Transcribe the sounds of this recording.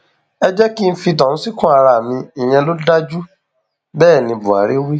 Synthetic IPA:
ɛ˦d͡ʒɛ˦ki˦n̩˦fi˧tã˨ñ̩˦si˦kũ˦a˨˧ɾa˧˨mĩ˧i˨j̃ɛ̃˧lo˦da˦d͡ʒu˦ | bɛː˦˨nĩ˧bu˨a̰˨˦ɾe˦o˦we˦

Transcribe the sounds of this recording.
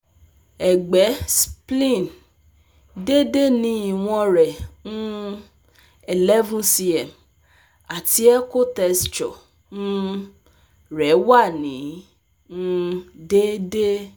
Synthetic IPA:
ɛ˨ɡ͡bɛ˨˦splĩ˦˨n | de˦de˦nĩ˨˦i˨w̃ɔ̃˧ɾɛ˨nũ˦ | ɛ˨lɛ˦vũ˦si˧ɛ˨m | a˨ti˨˦ɛ˦ko˦tɛ˧st͡ʃɔ̰˨ | nũ˦ | ɾɛ˨˦wa˦˨nĩ˨˦ | ũ˦de˦de˦

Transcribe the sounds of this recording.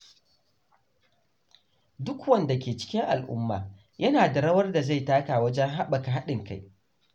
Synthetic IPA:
dʊ˦kwɐ˦˨nda˨kʲeː˨t͡ʃɪ̥˦kʲɪ˦ŋʔa˨lʔʊ̰˦mːa̰ː˨ | jɐ˦naː˨da˨ɽɐ˦wɐ˦rda˨za˦˨jtaː˦kaː˨wɐ˦d͡ʒɛ˦ŋɦa˦ɓɐ˨ka˨ɦa˦ɗɪ˨ŋka˦j

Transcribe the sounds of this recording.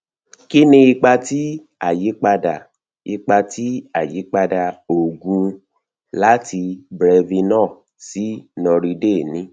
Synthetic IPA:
ki˦nĩ˧i˧k͡pa˧ti˦ | a˦˨ji˨˦k͡pa˧da˨ | i˧k͡pa˧ti˦a˦˨ji˨˦k͡pa˧da˧o˨ɡũ˧ | la˦tʰi˧bɾɛ˧vi˧nɔ̃ː˦˨ | si˨˦nɔ̃˧ɾi˧de˦˨nĩ˨˦

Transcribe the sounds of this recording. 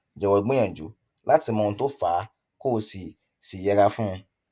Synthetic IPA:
d͡ʒɛ˨wɔ˨ɡ͡bĩ˦ã˨d͡ʒṵ˨˦ | la˦ti˧mɔ̃˧ũ˧to˦faː˨˦ | ko˦˧˨si˨ | si˨jɛ˧ɾa˧fũ˦ũ˧

